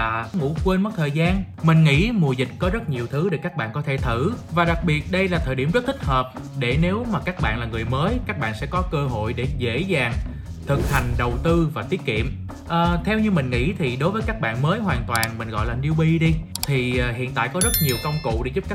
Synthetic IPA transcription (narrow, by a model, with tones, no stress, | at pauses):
aː˨˩ŋṵ˧˥kwe˧nmɔ˨˦j̚t̪ʰəː˨˩jzaː˧n | mï˨˩ŋ̟ŋḭ˧˥mu˨˩əzï˨˩k̟̚kɔ˨˦zə˦˥t̚ɲi˨˩əwt̪ʰɨ˨˦ɗe˨˩kaː˦˥k̚ɓa̰ː˧˨kɔ˨˦t̪ʰe˧˩t̪ʰɨ˧˩vaː˨˩ɗa˨˩k̚ɓi˨˩ət̚ɗə˧jlaː˨˩t̪ʰəː˨˩jɗi˧˩mzə˦˥t̚t̪i˦˥k̚həː˨˩p̚ | ɗe˧˩ne˨˦wmaː˨˩kaː˦˥k̚ɓa̰ː˧˨nlaː˨˩ŋɨ˨˩əjməː˨˦jkaː˦˥k̚ɓa̰ː˧˨nsɛ̰˧˥kɔ˨˦kəː˧ɦo̰˧˨jɗe˧˩zḛ˧˥zaː˨˩ŋ | t̪ʰɨ˨˩k̚ha˨˩jŋ̟ɗə˨˩wt̪ɨ˧vaː˨˩t̪i˨˦ət̚kḭ˧˨əm | ʔəː˨˩t̪ʰɛ˧wɲɨ˧mï˨˩ŋ̟ŋḭ˧˥t̪ʰi˨˩ɗo˨˦jvəː˨˦jkaː˦˥k̚ɓa̰ː˧˨nməː˨˦jɦwaː˨˩nt̪waː˨˩nmï˨˩ŋ̟ɣɔ̰˧˨jlaː˨˩ni˧wɓi˧ɗi˧t̪ʰi˨˩˨ɦḭ˧˨ənt̪a̰ː˧˨jkɔ˨˦zə˦˥t̚ɲi˨˩əwkə˧wŋ͡mkṵ˧˨ɗḛ˧˩˦zu˦˥p̚ka˦˥